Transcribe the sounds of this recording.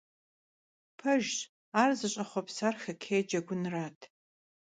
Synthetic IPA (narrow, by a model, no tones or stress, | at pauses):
pʰɐʒ | aːrzɨɕʼɐχʷɔpsaːrxɐkʰeːjd͡ʒɐɡʷʊnraːtʰ